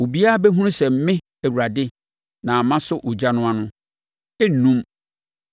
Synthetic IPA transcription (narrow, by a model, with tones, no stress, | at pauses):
o˨bi˦a˦a˦bɛ˦ɦũ˦sɛ˨m̩˦mɪ̃˦ | ɛ˨wu˨ɾa˨dɪ˦ | nã˨mã˦sʊ˦ʔʊ˨d͡ʑa˦nʊ̃˦a˦nʊ̃˦ | ɛ˦˨nũ˦m